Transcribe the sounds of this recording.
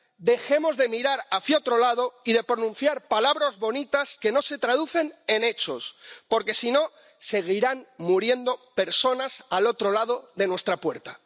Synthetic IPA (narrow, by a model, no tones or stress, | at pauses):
d̪e̞xe̞mo̞zðe̞miɾaɾaθjot̪ɾo̞lað̞o̞ið̞e̞pɾonũn̟θjaɾpalaβɾozβo̞nit̪aske̞no̞se̞t̪ɾað̞uθe̞ne̞ne̞t͡ʃo̞spo̞ɾke̞sino̞ | se̞ɣ̞iɾanmuɾje̞nd̪o̞pe̞ɾso̞nasalo̞t̪ɾo̞lað̞o̞ðe̞nwe̞st̪ɾapwe̞ɾt̪a